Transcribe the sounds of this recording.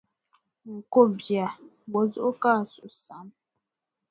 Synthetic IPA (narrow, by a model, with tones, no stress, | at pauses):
ŋ̩˨ko˦bja˨bo˨˦zo˦ʔka˦˨su˨sa˨˦m